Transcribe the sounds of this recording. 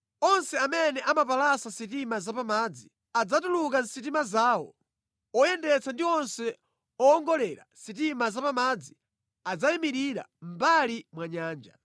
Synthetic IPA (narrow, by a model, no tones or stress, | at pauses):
ɔnsɛamɛnɛʔamapalasasitimazapamad͡zi | ad͡zatuluk̬an̩sit̬imazaːwɔ̰ | ɔjɛndɛt͡sʰandiɔnsɛ | ɔːŋɡɔlɛɾa̰sit̬imazapamad͡zi | ad͡zaimiɾiɾa̰m̩balimwaɲaːnd͡ʒa̰